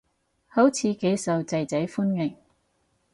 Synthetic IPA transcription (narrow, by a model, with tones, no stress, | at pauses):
hɐ˨˥wt͡sʰiː˨˧ke˨˧jsɐ˨wt͡sɐ˨jt͡sɐ˨˥jfuː˥nŋɪ˨˩ŋ